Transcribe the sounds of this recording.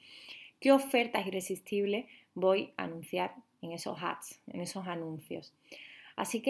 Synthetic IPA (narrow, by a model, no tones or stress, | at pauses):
keo̞fe̞ɾt̪asire̞sist̪iβle̞bo̞ja̰nũnθjaɾ | e̞ŋe̞so̞̰ɦa̰t̪sḛŋe̞sosanũnθjo̞̰s | a̰sike